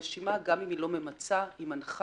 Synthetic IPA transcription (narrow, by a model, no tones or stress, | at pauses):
ʃimaɡamimilo̞me̞mat͡saimanχ